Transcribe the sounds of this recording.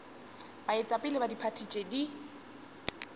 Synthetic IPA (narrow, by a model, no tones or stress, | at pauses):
baɪt͡sʼapʼɪlɪbadipʰatʰit͡ʃʼedi